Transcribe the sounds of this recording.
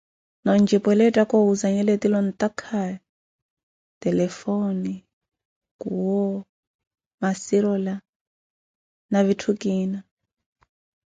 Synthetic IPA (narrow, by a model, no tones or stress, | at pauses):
nɔnd͡ʒipɔlɛtʼakɔuzaɲɛlɛt̪ilɔnt̪akʰa | t̪ɛlɛfoni | kuwɔ | masiɾɔla | naβitʰukiːna